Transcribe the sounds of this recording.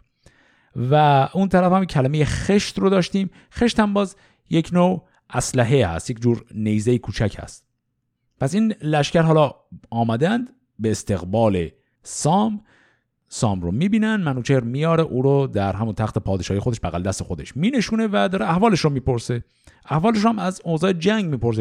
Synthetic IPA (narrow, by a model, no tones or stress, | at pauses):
væʔuːnt̪ʰæɾæfhæmkcʰælæmeje̞xe̞ʃt̪rod̪ɒːʃt̪iːm | xe̞ʃt̪hæmbɒːz | jecʰno | ʔæslæɦehæ̰st̪jecd͡ʒuːɾnejzejekʰuːt͡ʃʰæcʰhæ̰st̪ | pʰæsiːnlæʃcæɾɦɒːlɒ | ɒːmæd̪ænd̪ | beːst̪ʰe̞ɣbɒːle | sɒːm | sɒːmɾomiːbiːnænd̪mænuːt͡ʃʰeɾmijɒːɾeʔuːɾod̪æɾɦæmunt̪ʰæxt̪ʰepʰɒːd̪eʃɒːijexo̞d̪eʃbæɣæld̪æst̪exod̪e̞ʃmiːne̞ʃuːne̞væd̪ɒːɾeæhvɒːle̞ʃɾomiːpʰo̞ɾse̞ | ʔæhvɒːleʃ̬ɾohæmæzozɒːjed͡ʒæŋɡmiːpo̞ɾs̬e